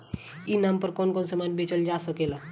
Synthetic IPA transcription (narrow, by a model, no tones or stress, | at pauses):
inampəɾkɔnkɔnsəmanbet͡ʃəld͡ʒasəkela